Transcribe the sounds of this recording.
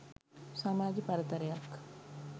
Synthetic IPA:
saːmaːd͡ʒipɐɾɐt̪ɐɾɐjak

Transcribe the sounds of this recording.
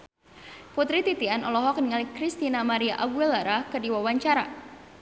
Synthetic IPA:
put̪ɾit̪it̪ianɔlɔɦɔk̚nəŋalikɾist̪inamaɾiaʔabuɛlaɾakərdiwawaɲt͡ʃaɾa

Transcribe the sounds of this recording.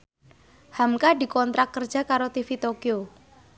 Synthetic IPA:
hamkadi̤kɔnt̪ɾakːərdd͡ʒ̥a̤kaɾot̪ifit̪okio

